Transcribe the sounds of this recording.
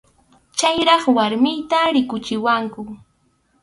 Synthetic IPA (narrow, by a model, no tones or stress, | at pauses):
t͡ʃajɾɑχwaɾmɪjt̪aɾɪkʊt͡ʃɪwaŋkʊ